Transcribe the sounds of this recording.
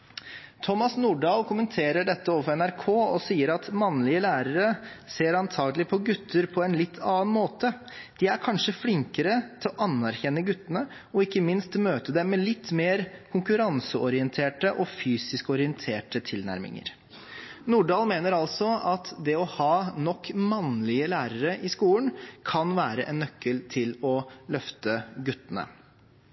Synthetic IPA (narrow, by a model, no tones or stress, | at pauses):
t̪ʰɔmːɑsnuːɖɑːlkʰʊmənt̪ʰeːɾəɖɛt̪ːəoːʋəfɔɾɛnæɾkʰoːɔsiːəɾɑt̪mɑnlɪəlæːɾəɾəseːɾɑnt̪ʰɑːɡəlɪpʰɔɡʉt̪ʰːəɾpʰɔɛnlɪt̪ʰːɑːnmoːt̪ə | d̪̥ɪæɾkʰɑnʂəflɪŋkəɾət̪ʰɪlɔʔɑnːæɾçɛnːəɡʉt̪ːənə | ɔɪkːəmɪnst̪møːt̪əd̪ɛmɛlɪt̪ːmeːɾkʰʊŋkʉɾɑnsəʔɔɾɪɛnt̪ʰeːʈəʔɔfyːsɪskɔɾɪɛnt̪ʰeːʈət̪ʰɪlnæ̰ɾmɪ̰ŋə̰ɾ | nuːɖɑːlmeːnəɾɑlsɔɑt̪d̪ɛɔhɑːnɔkːmɑnlɪəlæːɾəɾəʔɪskuːlnkʰɑnʋæːɾəʔɛnːœkʰːəlt̪ʰɪlɔlœft̪əɡʉt̪ːənə̰